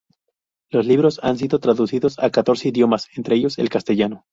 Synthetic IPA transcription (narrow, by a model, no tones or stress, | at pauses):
lo̞zliβ̞ɾo̞sa̰ns̬iðo̞t̪ɾaðusiðo̞sakat̪o̞ɾse̞iðjo̞mase̞nt̪ɾeeʝo̞se̞̰lkast̪e̞ʝano̞